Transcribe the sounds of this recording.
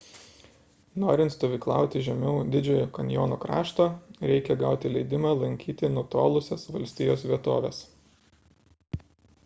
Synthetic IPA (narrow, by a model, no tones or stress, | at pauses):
noːɾʲɪnt̪st̪oːʋʲiːklˠɑˑʊt̪ʲɪʒʲɛmʲɛʊd̪ʲɪd͡ʒʲoːjoːkɐnʲjoːnoːkɾɑ̰ːʃt̪oːɾʲɛɪkʲɛɡɑˑʊt̪ʲɪlʲɛɪd̪ʲɪmɑːlˠɐŋʲkʲiːt̪ʲɪnʊt̪o̰ːlˠʊsʲɛsʋɐlʲsʲt̪ʲɪjoːsʋʲiɛt̪oːʋʲḛs